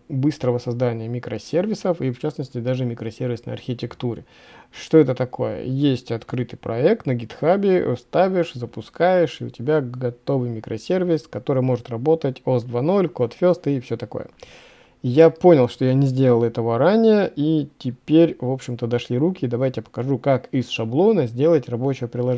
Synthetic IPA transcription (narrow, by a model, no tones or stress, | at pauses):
bɨst̪ɾəvəsɐzd̪anʲɪjəmʲɪkɾəsʲervʲɪsəfift͡ɕasnəsʲtʲɪd̪aʐɨmʲɪkɾəsʲervʲɪsnə̰jɐ̰rxʲɪtʲɪkt̪uɾʲɪ̰ | ʂt̪oɛt̪ət̪ɐko̞̰jə̰jesʲtʲɐt̪kɾɨt̪ɨjpɾɐ̰ɛk̚t̪nəɡʲɪt̪xabʲɪ̰st̪avʲɪʂzəpʊskajɪʂɨʊ̰tʲɪbʲaɡɐt̪o̞vɨjmʲɪkɾəsʲe̞rvʲɪskɐt̪o̞ɾɨjəmo̞ʐɨt̪rɐbo̞t̪ətʲosd̪vano̞lʲko̞t̪fʲo̞st̪ɪfsʲo̞t̪ɐko̞̰jə̰ | japo̞nʲɪlˠʂt̪o̞janʲɪzʲdʲelˠəlˠɛt̪əvəɾanʲɪjəitʲɪpʲeɾʲvo̞pɕːɪmt̪əd̪ɐʂlʲiɾukʲɪd̪ɐvajtʲɪjapə̥kɐʐukakɪsʂɐblˠo̞nəzʲdʲe̞lˠətʲrɐbo̞t͡ɕɪvəpɾʲɪlˠɐʐ